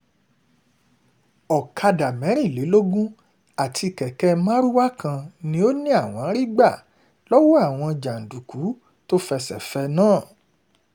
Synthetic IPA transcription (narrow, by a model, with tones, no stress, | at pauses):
ɔ˨kʰa˧da˨mɛ̃˨˦ɾĩ˦˨le˨˦lo˦ɡũ˦ | a˨tʰi˧˨kɛ˨kɛ˧˦mãː˦ɾu˦wa˦kʰã˧nĩ˧˦o˦nĩ˦a˦˨w̃ɔ̃˨˦ɾi˦ɡ͡ba˦˨ | lɔ˦wɔ˦a˦˨w̃ɔ̃˧d͡ʒa˨n̩˨du˨ku˨˦ | to˦fɛ˧sɛ̰˨fɛ˧nãː˦˨